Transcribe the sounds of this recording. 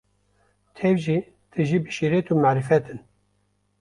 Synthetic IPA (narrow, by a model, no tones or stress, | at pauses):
t̪ʰɛvʒi | t̪ʰɨʒiːbɨʃiɾet̪uːmæːɾɨfɛt̪ɨn